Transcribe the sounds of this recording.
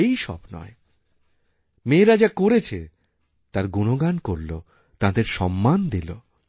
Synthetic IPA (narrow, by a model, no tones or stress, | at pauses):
ejʃɔ̰bnɔ̰e | meːɾad͡ʑakoɾet͡ɕʰe | t̪aɾɡunoɡankoɾlo | t̪ad̪eɾʃɔmːand̪ilo